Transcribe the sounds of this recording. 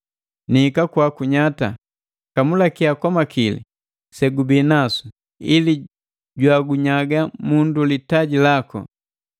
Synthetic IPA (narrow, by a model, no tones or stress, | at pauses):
nikakwakuɲata̰ | kamulakiakɔmakilḭ | sɛɡubiːnasu̥ | ili | ɟwaɡuɲaɡamundulitaɟilakɔ̰